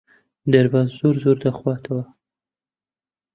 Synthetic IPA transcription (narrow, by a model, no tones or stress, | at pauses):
d̪aɾbɑzzoɾzoɾd̪axwɑt̪ʰawa